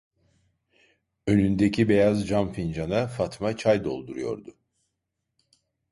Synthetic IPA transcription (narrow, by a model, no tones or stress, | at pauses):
ø̞nynd̪ecʰibe̞jazd͡ʒanfind͡ʒanafat̪mat͡ʃʰajd̪o̞̰lˠd̪uɾujo̞̰ɾd̪ʊ